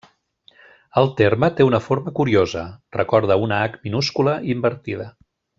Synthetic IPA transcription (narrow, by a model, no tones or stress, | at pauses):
əlˠt̪eɾmət̪eunəfoɾməkuɾiozərəkɔɾðəunəakminuskuləʔimbəɾt̪ið̞ə